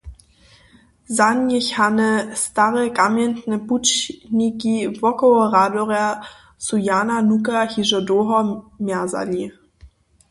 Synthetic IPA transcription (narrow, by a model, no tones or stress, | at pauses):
zanjɪçhanəstaʁəkamjɛntnəput͡ʃnikivɔkɔʁadoʁja | sujaːnanuk̬ahiʒədoɦɔmaza̰li